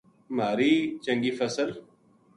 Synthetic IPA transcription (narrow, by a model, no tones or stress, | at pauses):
maːɾiːt͡ʃə̃ŋɡiːfəsəl